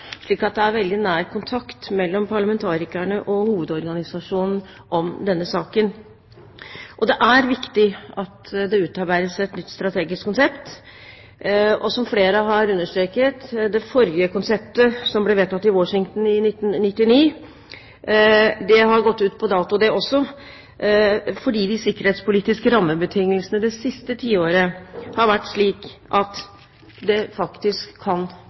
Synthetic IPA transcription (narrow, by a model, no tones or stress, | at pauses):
ʂɭiːkɑt̪̚d̪ɛæɾʋɛld̪ɪnæːɾkʊnt̪ʰɑkt̪mɛlːɔmpʰɑɭəmɛnt̪ʰɑːɾɪkæɳəʔɔhuːʋəd̪ɔɾɡɑnɪsɑʂuːnn̩ | ʔɔmd̪ɛnːəsɑːkən | ʔɔd̪ɛʔæɾʋɪkt̪ɪɑt̪d̪ɛʉːt̪ɑɾbæɪɾəsɛt̪nʏt̪ːst̪ɾɑt̪ʰeːɡɪskʰːʊnsɛpt̪ | ɔsɔmfleːɾəɦɑɾʉnːəʂʈ̪ɾeːkət̪d̪ɛfɔɾjəkʊnsɛp̚t̪əsɔmblɛʋeːt̪ɑt̪ːɪwɔʂɪŋt̪n̩ɪnɪt̪ːnnɪt̪ːɪniː | d̪ɛɦɑɾɡɔt̪ːʉːt̪pʰɔd̪ɑːt̪ʊd̪ɛʔɔsːɔ | fɔɖiːd̪ɪsɪkːəɾheːt̪spʊliːt̪ɪskəɾɑmːəbət̪ʰɪŋːəlsənəd̪ɛsɪst̪ət̪ʰiːoːɾəhɑɾʋæʈːʂɭiːkʔɑt̪ | d̪ɛfɑkt̪ɪskʰːɑn